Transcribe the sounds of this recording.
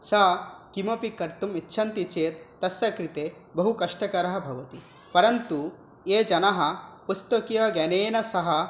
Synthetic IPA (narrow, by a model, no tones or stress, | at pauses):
sɐɦɐkimɐpikɐɾt̪umitːʃʰɐnt̪it͡ʃeːt̪ːɐsjɐkɾit̪eː | bɐɦukɐʂʈɐkɐɾɐɦɐ̆bʱɐʋɐt̪i | pɐɾɐnt̪u | eːd͡ʒɐnɐɦɐ̆pust̪ɐkijɐɡɐneːnɐsɐɦɐ